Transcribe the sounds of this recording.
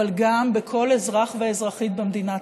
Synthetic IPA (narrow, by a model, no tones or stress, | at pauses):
alɡambekʰo̞lezʁaχveːzʁaχit̪̚bemd̪ina